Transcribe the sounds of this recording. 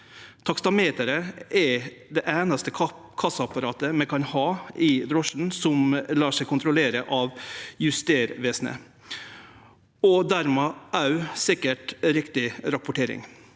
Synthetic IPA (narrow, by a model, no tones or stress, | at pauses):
t̪ʰɑkst̪ɑmeːt̪əɾəʔɛd̪ɛʔæːnɑst̪ə | kʰɑsɑpɑɾɑːt̪əmɛkʰɑnhɑːɪd̪ɾɔʂn̩sɔmlɑːʂæɪkʰʊnt̪ʰɾɔleːɾəʔɑʋjʉst̪eːɾʋeːsnə̰ | ɔd̪æɾmɛːʔɑʉsɪkːəʈɾɪkt̪ɪɾɑpʊʈʰeːɾɪ̰ŋ